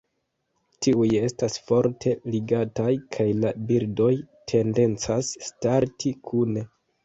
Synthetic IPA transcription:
tiuje̞stasfo̞ɾtʰe̞liɡatajkʰajlabiɾdo̞jtʰe̞nde̞nt͡sasːtaɾtʰikʰune̞

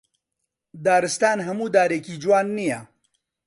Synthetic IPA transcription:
d̪aːɾɨst̪aːnɦɐmuːd̪aːɾeːkiːd͡ʒwaːnːijɐ

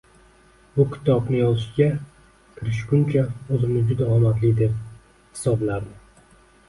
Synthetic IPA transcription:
bʊkʲʰɪ̥t̪ʰɒbnɪjɒzɪʃɪɡʲa | kʲʰɪɾɪʃkʲʊnt͡ʃʰaozɪmnɪd͡ʒʊd̪aɒmat̪lɪd̪e̞p̚ | hɪ̥sɒblaɾd̪ɪ

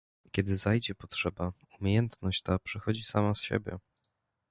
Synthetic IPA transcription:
kʲɛd̪ɘzajd͡ʑɛpɔtʂɛba | umʲejɛnt̪nɔɕt͡ɕt̪apʂɛxɔd͡ʑisamasɕḛbʲjɛ̰

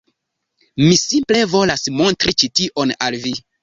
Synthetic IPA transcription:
misimple̞vo̞lasmo̞ntɾit͡ʃitiʔonalvi

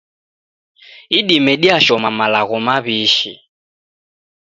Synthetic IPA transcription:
iɗimɛɗiaʃɔmamalaɣɔmaβiːʃḭ

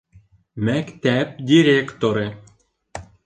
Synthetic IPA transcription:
mækt̪æp̚d̪ʲiɾʲekt̪oɾe

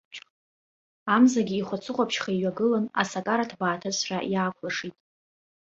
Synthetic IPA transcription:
amzaɡʲiːχʷat͡sʰʼɨqʷʼapʰʃχaiɥaɡɨlana̰sakʼaɾatʰbaːtʰɨsra̰ʔjaːkʷʰlaʂitʼ

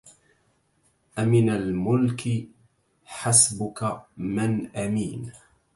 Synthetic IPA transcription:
ʔamɪnalmʊlkɪ | ħasbʊkamɪnʔamiːn

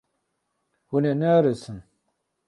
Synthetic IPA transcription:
hunenaɾesɨn

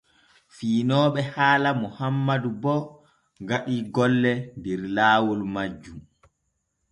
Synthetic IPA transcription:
fiːnɔːɓɛhaːlamuhamːadubɔ | ŋɡaɗiɡɔlːɛndɛɾlaːwulmad͡ʒːum

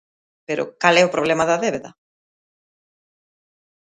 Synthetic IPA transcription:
peɾʊ̰kalɛʊpɾoβ̞lemɐðɐðeβeðɐ

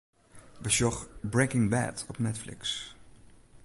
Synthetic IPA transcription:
bəʃɔχbɹekɪ̃ŋbæ̰tɔpnɛtflɪ̰ks

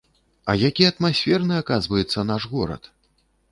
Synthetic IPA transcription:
ɐ̰jakʲiɐt̪masʲfʲɛrnɨakazvɐjɛt̪sːɐnaʂɣɔɾɐ̰t̪

